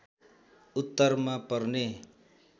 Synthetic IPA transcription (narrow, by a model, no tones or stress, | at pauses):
ut̪ːʌɾmapʌrne